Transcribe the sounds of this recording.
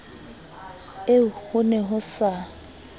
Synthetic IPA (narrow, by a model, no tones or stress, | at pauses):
ehʊnɛɦʊsa